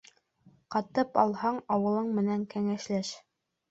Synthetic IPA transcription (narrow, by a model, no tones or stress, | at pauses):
qɑt̪ɤpɑlˠhɑɴɑwɤ̆lˠɤɴmɘ̆næŋkæŋæʃlæʃ